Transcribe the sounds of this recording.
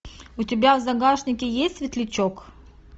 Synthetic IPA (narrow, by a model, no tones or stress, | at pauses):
ʊtʲɪbʲavzɐɡaʂnʲɪkʲɪjesʲtʲsvʲɪt̪lʲɪt͡ɕok